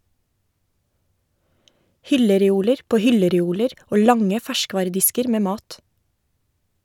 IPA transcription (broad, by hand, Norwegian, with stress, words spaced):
ˈhʏləɾɛˌuːləɾ ˈpoː ˈhʏləɾɛˌuːləɾ ˈoː ˈlɑŋə ˈfæʃˌkʋɑːɾəˌdɪskəɾ ˈmeː ˈmɑːt